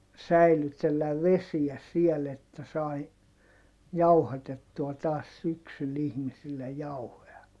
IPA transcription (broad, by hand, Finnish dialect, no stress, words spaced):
sæilytelːæʋ ʋesiæ siel etːæ sɑi jɑuhɑtetːuɑ tɑːs syksyl ihmisilːej jɑuhoj̆ɑ